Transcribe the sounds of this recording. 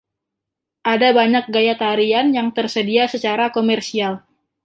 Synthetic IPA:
ʔadabaɲak̚ɡajat̪aɾianjaŋt̪ərsədiasət͡ʃaɾakomɛrsial

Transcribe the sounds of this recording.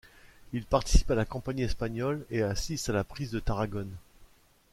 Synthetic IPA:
ilpaʁt̪i̥si̥palakɔ̃paɲiɛspaɲɔleasist̪alapχizd̪ət̪aʁaɡɔn

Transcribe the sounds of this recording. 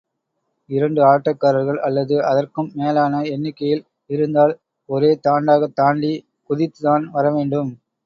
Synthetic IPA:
ɪɾɐɳɖɯaːʈːɐkːaːɾɐɾɣɐɭʔɐlːɐðɯʔɐðɐrkɯmːeːlaːnɐɛnːɪkːɐjɪl | ɪɾɯnd̪aːl | ɔɾeːt̪aːɳɖaːɣɐt̪aːɳɖi | kʊðɪt̪ːɯðaːnʋɐɾɐʋeːɳɖɯm

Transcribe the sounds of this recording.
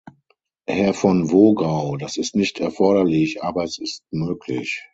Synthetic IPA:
hɛɐfɔnvoːɡaʊdasɪstnɪçtʰɛɐfɔɐɾɐlɪçʔaːbɐɛsɪst̚møːkʰlɪ̰ç

